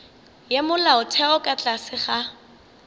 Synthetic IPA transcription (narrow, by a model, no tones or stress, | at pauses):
jemʊlaʊtʰɛɔkʼat͡ɬʼasɪχa